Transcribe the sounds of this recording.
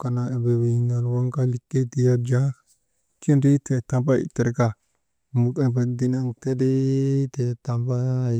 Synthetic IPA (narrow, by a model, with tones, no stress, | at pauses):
ka˨na˨e˨be˨wi˨na˨lwa˦ŋka˦li˨kːe˦ti˨ja˦d͡ʒa˦ | ki˦nɾi˦te˨ta˨mpa˦˨ḭ˨te˨ɾka˨ | mu˨ke˨ba˨di˨˦na˦nte˦di˦te˨ta˨mpa˦˨